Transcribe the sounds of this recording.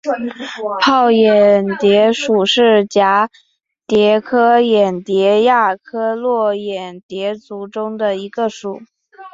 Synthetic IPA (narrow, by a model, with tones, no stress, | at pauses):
pʰɑ˥˩ʊjɛ˨˩nt̪jɛ˧˥ʂu˨˩ʂɻ̩˥˩t͡ɕja˧˥ | t̪jɛ˧˥kʰɤ˥jɛ˨˩nt̪jɛ˧˥ja˥˩kʰɤ˥lwɔ˥˩jɛ˨˩nt̪jɛ˧˥t͡su˧˥ʈ͡ʂʊ˥ŋd̪ə˨i˧˥ɡə˧ʂu˨˩˦